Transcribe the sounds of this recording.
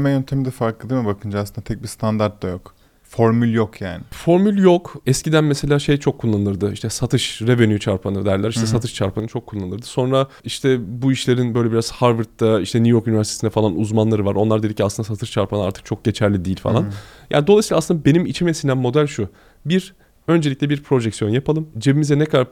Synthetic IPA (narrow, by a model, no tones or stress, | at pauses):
mɛjønt̪ʰemid̪ɛfaɾklˠɯd̪imibakʰɯnd͡ʒasɯnd̪at̪ʰɛc̚bist̪ʰand̪aɾt̪̚d̪ajok | foɾmylʲjokʰjaːnɪfo̞ɾmylʲjo̞kɛscid̪ænmese̞lʲaːʃejt͡ʃʰo̞kʰːulˠːanɯnɯɾd̪ɯiʃt̪ʰɛsat̪ʰɯʃɾe̞venjyt͡ʃʰaɾpʰanɯd̪æɾlʲæɾiʃt̪ɛsat̪ʰɯʃt͡ʃʰaɾpʰanɯt͡ʃʰo̞kʰːulˠːanɯɾd̪ɯ̥so̞nɾa | iʃt̪ʰɛbuiʃlʲe̞ɾinbø̞jlʲɛbiɾaz̥haɾvɯɾt̪ːaiʃt̪ʰɛnujo̞ɾkynivæɾst̪ʰe̥sind̪ɛfalˠanuzmanlˠaɾɯvaɾo̞nlˠaɾd̪e̞d̪iciasɯnasat̪ʰɯʃt͡ʃʰaɾpʰanɯna̰ɾt̪ʰɯ̥k̚t͡ʃʰo̞k̚ɟe̞t͡ʃʰæɾlʲid̪iːilʲfa̰lˠanja̰ːnid̪o̞lˠasilˠasɯnd̪abe̞nimit͡ʃʰimesind̪ænmo̞d̪ælʲʃu | biɾ | ø̞nd͡ʒelʲicʲlʲɛbiɾpʰɾo̞ʒɛksijo̞njapʰalˠɯmd͡ʒe̞bimizɛnɛkʰaa